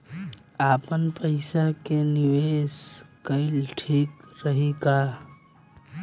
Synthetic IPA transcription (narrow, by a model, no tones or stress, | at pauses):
apənpəɪsakeniʋeskəɪlʈʰikɾəɦika